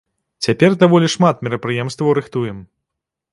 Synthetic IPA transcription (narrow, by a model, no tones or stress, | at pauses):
t͡sʲapʲɛrd̪avɔlʲiʂmat̪̚mʲiɾɐpɾɨjɛmst̪vɐwɾɨxt̪ujɛm